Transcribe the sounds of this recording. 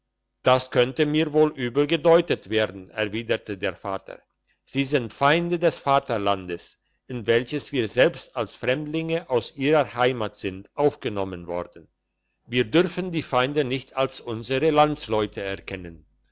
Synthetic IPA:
d̥askʰœntəmiːɐvoːlʔyːbl̩ɡədɔʏtətv̥eːɐdn̩ɛɐviːdətʰədeːɐfa̰ːtʰə̰ | z̥iːzɪntfaɪndədɛsfaːtɐlandəs | ʔɪnvɛlçəsv̥iːɐzɛlpstalsfʁ̥ɛmdlɪŋəʔaʊsʔiːʁɐhaɪmatz̥ɪntʔaʊfɡ̥ənɔmənvɔ̰ɐdn̩ | viːɐdʏʁfn̩diːfaɪndənɪçtʰalsʔʊnzəʁəlant͡slɔʏtʰəɛɐkʰɛnən

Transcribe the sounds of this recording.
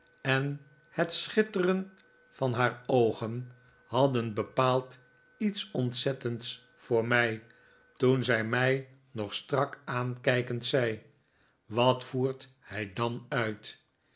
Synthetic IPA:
ɛn | hətsχɪtərən | fɑnɦaːɹowχən | hɑdənbəpaːlˠt | itsɔntsɛtənts | fʊːɹmɛj | tunzɛjmɛj | nɔχstrɑkaːnkɛjkəntsɛj | ʋɑtfuːɹt | hɛjdɑnœɥt

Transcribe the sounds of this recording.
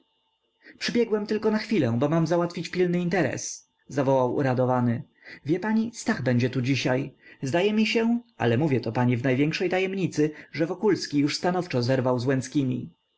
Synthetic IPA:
pʂɘbʲjɛɡwɛmt̪ɘlkɔnaxfʲilɛ̃bɔmamzawat̪fʲit͡ɕpʲilnɘint̪ɛɾɛ̰s | zavɔwawʔṵɾad̪ɔvanɘ | vʲjɛpaɲist̪aɣbɛɲd͡ʑɛt̪ud͡ʑiɕajzd̪ajɛmʲiɕɛa̰lɛmuvʲjɛt̪ɔpaɲivnajvʲɛŋkʂɛjt̪ajɛmɲit̪sɘʐɛvɔkulskʲijuʂst̪anɔft͡ʂɔzɛɾvawzwɛnskʲimʲḭ

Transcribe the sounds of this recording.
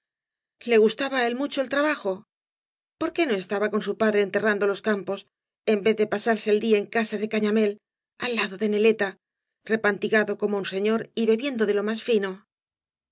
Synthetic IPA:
le̞ɣ̞ust̪aβaelmut͡ʃo̞e̞lt̪ɾaβaxo̞ | po̞ɾke̞no̞e̞st̪aβako̞nsupaðɾe̞ːnt̪e̞rand̪o̞lo̞skampo̞s | e̞mbe̞ððe̞pasaɾse̞ːld̪iaeŋkasaðe̞kaɲame̞l | alːaðo̞ðe̞ne̞le̞t̪a | re̞pant̪iɣaðo̞ko̞mounse̞ɲo̞ɾiβe̞βje̞nd̪o̞ðelo̞masfino̞

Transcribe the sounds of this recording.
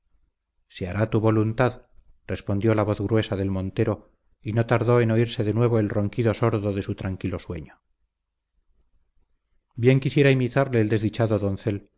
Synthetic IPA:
seaɾat̪uβo̞lunt̪að | re̞spond̪jo̞laβ̞o̞θɣɾwe̞saðe̞lmõ̞nt̪e̞ɾo̞ | ino̞t̪aɾðo̞e̞no̞iɾse̞ðe̞nwe̞β̞oe̞lro̞ŋkiðo̞soɾðoðe̞sut̪ɾaŋkilo̞swe̞̰ɲo | bje̞ŋkisje̞ɾaimit̪aɾle̞ːld̪e̞zðit͡ʃaðoðo̞nθe̞l

